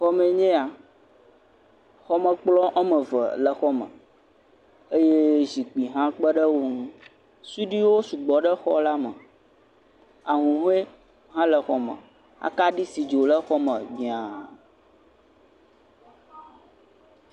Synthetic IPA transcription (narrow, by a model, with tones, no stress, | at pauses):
xɔ˦mɛ˨ɲɛ̃˦a˨ | xɔ˦mə̃˨k͡plɔ˦ʔa˦mə̃˨və̰˨lə˨xɔ˦mə̰̃˨ | e˦je˦zi˨k͡pi˨ɦã˦k͡pə˦ɖə˦wo˦ŋũ˦ | su˦ɖi˦wo˦su˨ɡ͡bɔ˨ɖə˦xɔ̰˦la˦mə̰˨ | a˨ɦũ˨ɦũ˦e˦ | ɦã˦lə˨xɔ˨mə̰˨ | a̰˦ka˦ɖi˦si˨d͡ʒo˨lə˦xɔ˦mə̃˨ɡ͡bĩ˨a˨